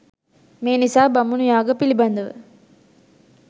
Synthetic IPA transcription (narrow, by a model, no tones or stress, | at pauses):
meːnisaːbɐmunujaːɡɐpilibɐnd̪ɐʋɨ̰